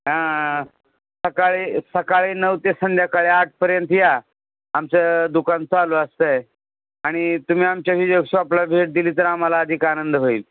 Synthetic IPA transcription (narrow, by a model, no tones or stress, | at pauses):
ɦã | səkaɭesəkaɭenəʋt̪esənd̪ʱjakaɭeaʈ̚ʰpəɾjənt̪ja | amt͡səd̪ukant͡saloəst̪əj | aɽ̃it̪um̤iːamt͡ɕaɕiːjoɡsoaplabʱeʈ̚d̪iliːt̪əɾam̤alaːd̪ʱiːkanənd̪ɦoiːl